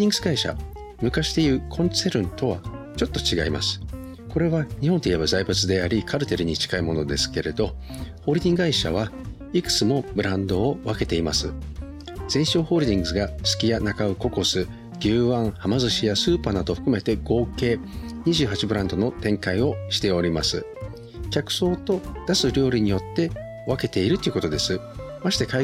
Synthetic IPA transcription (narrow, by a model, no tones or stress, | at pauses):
d̪ʲĩŋɡɯzɨɡaiɕa̰ | mɯ̟kaɕi̥t̪e̞iɯ̟kʰõ̞nseɾɯ̟̃nt̪o̞βa̰ | t͡ɕo̞t̪ːo̞t͡ɕiɡa̰ima̰sɨ̥ | ko̞ɾe̞βaɲ̟ihont̪eijebazaibɯt͡sɨd̪e̞aɾʲikʰaɾɯ̟t̪e̞ɾɯ̟ɲ̟it͡ɕi̥kaimo̞no̞d̪e̞sɨ̥ke̞ɾe̞d̪o̞ | ho̞ːɾid̪ʲĩŋɡaiɕa̰β̞a | ikɯ̟̥t͡sɨmo̞bɯ̟ɾãnd̪o̞ːβake̞t̪e̞imasɨ | z̥ẽ̞ɰ̃ɕo̞ːho̞ːɾid̪ʲĩŋɡɯzɨɡasɨ̥kʲijanakaɯ̟ko̞ko̞sɨ | ɡʲɨːβãɰhamazɨɕijasɨːpanad̪o̞ɸɯ̟̥kɯ̟me̞t̪e̞ɡ̥o̞ːke̞ːɲ̟iʑɨːɦat͡ɕibɯ̟ɾãnd̪o̞no̞t̪ẽ̞ŋkaio̞ɕi̥t̪e̞o̞ɾʲimasɨ | kʲakɯ̟̥so̞ːt̪o̞d̪̥asɨɾʲo̞ːɾʲiɲ̟ijo̞t̪ːe̞ | βake̞t̪e̞iɾɯ̟t̪ːoiɯ̟ko̞t̪o̞d̪e̞sɨ | maɕi̥t̪e̞ka